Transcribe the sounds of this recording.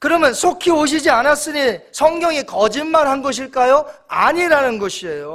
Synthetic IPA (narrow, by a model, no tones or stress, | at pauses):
kɯɾʌmjʌnsʰokʰioɕ̬ʰid͡ʑianas͈ɯɲinsʰʌŋɡjʌŋekʌd͡ʑimmanɦanɡʌɕ̬ʰiɭk͈ajoaɲiɾanɯnɡʌɕʰiejo